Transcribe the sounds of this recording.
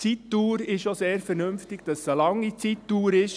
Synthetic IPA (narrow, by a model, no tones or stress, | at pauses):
t͡sitːuːɾɪʃʃoseːɾfɛɾnɵmftɪɡ̥d̥ɑsəlɑŋːit͡sitːuːɾɪʃ